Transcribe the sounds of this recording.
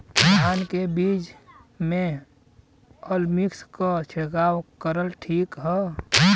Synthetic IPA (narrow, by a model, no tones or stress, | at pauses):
aːnkebiːd͡ʒmẽ | əlmikskat͡ʃʰekaːwkəɾəlʈʰiːkɦɛ